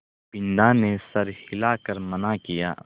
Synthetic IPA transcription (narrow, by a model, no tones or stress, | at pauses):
pɪnd̪aːnesɐɾhɪlaːkɐɾmɐnakija̰ː